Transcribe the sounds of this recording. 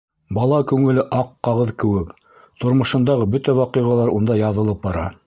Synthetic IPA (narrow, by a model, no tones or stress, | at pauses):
bɑlˠɑkʉŋɘ̆lɘʔɑqːɑʁɤðkɘ̆wɘk | t̪ŏɾmŏʃɤ̆nd̪ɑʁɤbɵt̪æwɑqɤjʁɑlˠɑɾund̪ɑjɑðɤ̆lˠɤp̚bɑɾɑ̰